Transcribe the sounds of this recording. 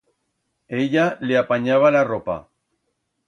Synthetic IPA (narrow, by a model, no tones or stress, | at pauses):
eʎaleapaɲaβ̞alaropa̰